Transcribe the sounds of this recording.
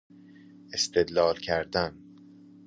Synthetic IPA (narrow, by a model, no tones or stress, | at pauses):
est̪e̞d̪lɒːlcʰæɾd̪æn